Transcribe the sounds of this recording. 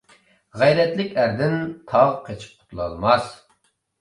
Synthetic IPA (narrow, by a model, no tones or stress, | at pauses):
ʁæjɾɛt̪lɪkʲæɾd̪ɪnt̪ʰɑʁqʰet͡ʃʰi̥p̚qʰʊ̥t̪ʰlˠɑ̰lˠmɑs